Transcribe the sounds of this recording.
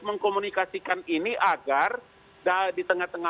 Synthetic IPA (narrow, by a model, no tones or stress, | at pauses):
məŋkomunikasikaniniʔaɡar | dadit̪əŋaht̪əŋa